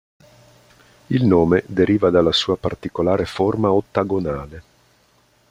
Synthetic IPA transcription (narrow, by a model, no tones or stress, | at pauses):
ilnoːmed̪eɾiːvad̪alːasuːapart̪ikolaːɾeformaot̪ːaɡonaːle